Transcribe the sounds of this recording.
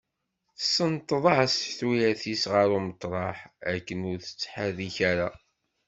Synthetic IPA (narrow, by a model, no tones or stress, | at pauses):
θsːənt̪ˤːəðˤɑʕsθwijæθisʁəɾumət̪ˤːɾˤɑħækːənʊɾθə̥t͡sːħaðiçaɾa